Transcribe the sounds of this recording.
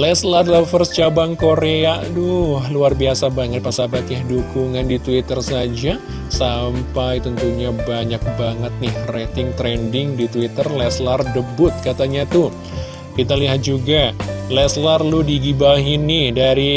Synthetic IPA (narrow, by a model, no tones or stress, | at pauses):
lɛslarlafərst͡ʃabaŋkoɾeadɔhluarbiasabaŋət̪̚pasabat̪jahdukuŋandit̪uit̪ərsad͡ʒa | sampajt̪ənt̪uɲabaɲak̚baŋət̪̚nɪhret̪ɪŋt̪ɾɛndɪŋdit̪wit̪ərlɛslardəbʊt̪̚kat̪aɲat̪ʊ | kit̪aliɦat̪̚d͡ʒuɡalɛslarludiɡibaɦinːɪhdaɾi